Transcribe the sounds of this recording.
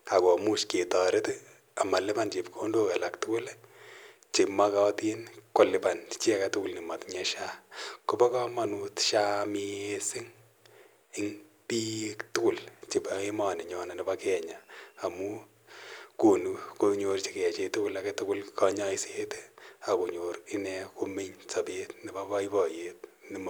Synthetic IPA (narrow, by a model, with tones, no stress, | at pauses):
a˨ko˨mu˦ʃke˨tɔ˨ɾe˦t | a˨ma˨lɪ˦pa˦nt͡ʃe˨pkʰo˦ndo˦ka˨la˨ktʊ˦kʊ˦l | t͡ʃe˨ma˦ka˦ti˦nko˨lɪ˨pa˨nt͡ʃi˦a˦ka˨tʊ˦kʊ˦lni˨ma˨tɲɛ˦ʃa˦kʊ˦bɔ˦kɔ˦ma˨nutʃa˦mie˦sɪ˦ŋ | ɪ˦ŋpi˦ktʊ˦kʊ˦˨lt͡ʃe˨bae˦ma˨nɪ˨ɲɔ˨na˨nɪ˨bakɛ˦ɲaː˨mu˦ | ko˨nu˨ko˧ɲo˧rt͡ʃi˨kɛ˨t͡ʃe˧tʊ˦kʊ˦la˨ke˦tʊ˦kʊ˦lkɔ˦ɲa˦i˦se˦tea˨ko˨ɲo˨rɪ˦nɛ˦ko˦me˦ɲsa˨petnɪ˨ba˦ba˦i˦bɔ˨je˦tni˨m˨